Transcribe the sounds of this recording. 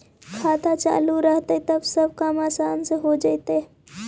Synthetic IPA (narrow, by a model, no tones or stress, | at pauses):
kʰat̪at͡ʃa̰luɾəɦt̪ət̪əbsəb̚ʱkamaːsanseɦod͡ʒajt̪e